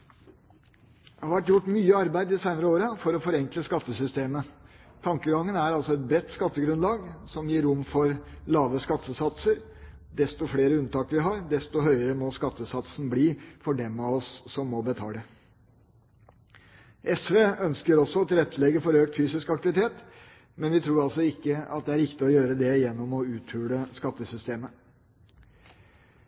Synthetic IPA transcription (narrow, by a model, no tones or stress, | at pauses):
d̪ɛhɑʋæʈjʊʈːmyːəɑɾbæɪd̪ɪsæɪnəɾəoːɾəfɔɾɔfɔɾɛŋkləskɑt̪ːəsʏst̪eːmət̪ʰɑŋkəɡɑŋːənæɾɑlsɔɛt̪̚bɾɛt̪ːskɑt̪ːəɡɾʉnlɑːɡsɔmjiːɾʊmːfɔɾlɑːʋəskɑt̪ʰːəsɑt̪səɾ | d̪ɛst̪ɔfɽeːɾəʉnt̪ʰɑːkʋɪɦɑːɾd̪ɛst̪ɔɦœʏəɾəmɔskɑt̪ːəsɑt̪sn̩bliːfɔɖɛmɑɔsːɔmːɔbət̪ʰɑ̰ːd̪ɛ | ʔɛsʋeːœnskəɾɔsːɔɔt̪ʰɪlɛt̪ʰːəlɛɡːəfɔɾøːkt̪fyːsɪskɑk̚t̪ɪʋɪt̪ʰeːt̪ | mɛnʋɪt̪ʰɾuːɾɑlsɔɪkːəɑt̪̚d̪ɛæɾɪkt̪ɪɔjøːɾəd̪ɛjɛnːɔmɔʉːt̪ʰhʉːɽəskɑt̪ːəsʏst̪eːmə